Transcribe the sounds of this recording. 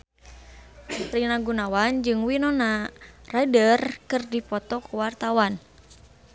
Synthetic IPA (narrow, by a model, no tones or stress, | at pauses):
rinaɡunawand͡ʒɨŋwinɔnaradərkɨrdipɔt̪ɔkuwart̪awan